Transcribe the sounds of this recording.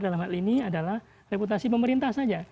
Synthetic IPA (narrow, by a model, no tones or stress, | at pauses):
dalamhaliniadalah | reput̪asipəməɾint̪ahsad͡ʒa